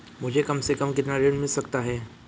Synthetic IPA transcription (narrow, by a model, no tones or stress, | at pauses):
mʊd͡ʒʱekɐmsekɐmkɪt̪naɾeɽmɪlsɐkt̪aɦɛː